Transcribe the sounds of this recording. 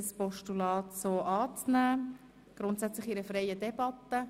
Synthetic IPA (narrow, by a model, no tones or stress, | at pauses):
spɔʃtulɑːt̪soːʔɑːt͡snæː | ɡ̥ɾʊnt̪sæt͡slɪχiɾəfɾɛjədɛb̥ɑt̪ːə